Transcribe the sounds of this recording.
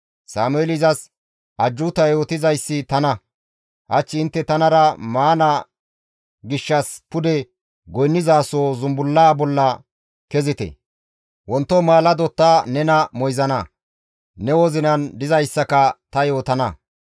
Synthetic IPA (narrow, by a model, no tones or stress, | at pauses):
saːmʊɛlɪzɐs | ʔɐd͡ʒːʊt̪ɐjjo̞ːt̪ɪzɐjsːɪt̪ɐnɐ | hɐt͡ʃːɪːnt̪ːɛt̪ɐnɐɾɐmaːnɐ | ɡɪʃːɐspʊd̪ɛ | ɡɔjnːɪzaːsoːzʊmbʊlːaːbɔlːɐ | kɛzɪt̪ɛ̰ | wɔnt̪ːɔmaːlɐd̪ɔt̪ːaːnɛnɐmɔjzɐnɐ | nɛwɔzɪnɐnd̪ɪzɐjsːɐkɐt̪ɐjo̞ːt̪ɐnɐ